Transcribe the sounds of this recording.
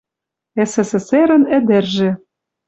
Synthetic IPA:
esesĕseɾə̆nɘ̆d̪ĕrʒĕ

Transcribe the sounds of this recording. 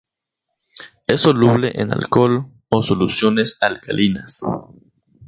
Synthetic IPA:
esoluβleʔḛna̰lkol | osolusjonesalkalinas

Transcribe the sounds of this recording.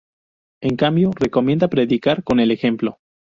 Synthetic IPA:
e̞ŋkambjo̞re̞ko̞mje̞nd̪apɾe̞ðikaɾko̞ne̞le̞xe̞mplo̞

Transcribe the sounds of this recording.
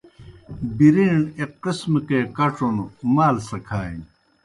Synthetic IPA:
biɾiːɳeqismkekɐʈ͡ʂonumaːlsɐkʰaːin

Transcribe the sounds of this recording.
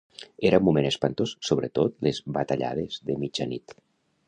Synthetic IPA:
eɾamumenespant̪ossoβ̞ɾet̪ot̪lezβat̪aʎa̰ð̞ezðemid͡ʒanit̪

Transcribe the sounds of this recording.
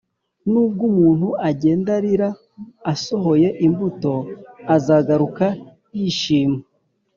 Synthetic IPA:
nuːb̚ɡumuːn̥huʔaɟe̞ːndaɾiɾaː | soɦo̞je̞ʔimbuto̞azaɡaɾuka | jiʃiːme

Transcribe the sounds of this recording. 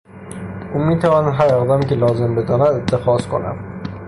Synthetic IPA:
ʔumiːt̪ʰævɒnɦæɾɒd̪amcʲelɒːzembed̪ɒnæd̪et̪ʰːexɒz̥kʰo̰næ̰n

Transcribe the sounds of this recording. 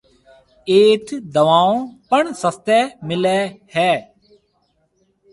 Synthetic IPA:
eːt̪ʰd̪əʋaːõpəɳsəst̪ɛːmɪlɛːhɛː

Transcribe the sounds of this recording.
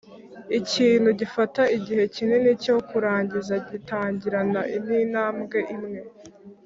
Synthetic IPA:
iciːnhuɟifataiɟihe̞cine̞nicokuɾaːɲɟizaɟitaːɲɟiɾanaʔin̥iːnaːmɡe̞ʔimŋe̞

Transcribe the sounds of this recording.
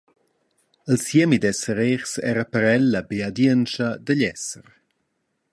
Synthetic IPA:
əlsjemid̪ɛsəɾeɾsɛ̰ːɾapəɾɛlːabead̪jənt͡ʃɐd̪əʎɛsəɾ

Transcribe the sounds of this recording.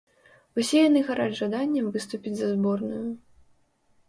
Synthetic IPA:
usʲɛjan̪ɨɣaɾad͡zʐad̪anʲːɐmvɨst̪upʲid͡zʲzɐzbɔrnʊjʊ

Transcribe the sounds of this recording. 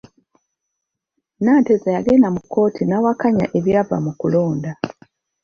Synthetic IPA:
naːntezajaɡe̞ːndamukʰːo̞ːtʰinawakaɲa̰ʔe̞βjava̰mukulo̞ːnda

